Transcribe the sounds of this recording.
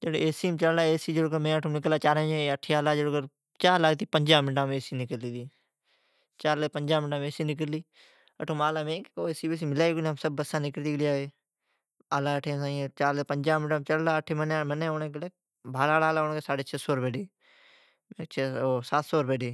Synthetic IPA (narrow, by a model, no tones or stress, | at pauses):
d͡ʒeːɽoeːsiːmt͡ʃəllaːeːsiːd͡ʒəɽoːkəmẽːəʈʰomnɪklaːt͡ʃaːɾẽd͡ʒẽəʈʰːeːaːlaːd͡ʒəɽoːkəɾ | t͡ʃaːlaːɡt̪iːpəɲd͡ʒaːmɪʈãːmeːsiːnɪkəliːd̪iː | t͡ʃaːɾlepəɲd͡ʒaːmɪʈaːmeːsiːnɪk̬əliː | əʈʰomaːlaːmẽːkːkoːeːsiːbes̬iːmɪlaːikːnemsəbːəsãːnɪkəɽd̪iːɡəliaːeː | aːlaːəʈʰeːsãːĩt͡ʃaːɾleːpəɲd͡ʒaːmɪʈaːmt͡ʃəɽlaːəʈʰːeːmənemənẽːonẽːkleː | bʱaːlaːlaːlaːoːnːkesaːɽeːt͡ʃʰesoːɾbeːɖeː | et͡ʃʰeoːsaːt̪soːɾbeːɖeː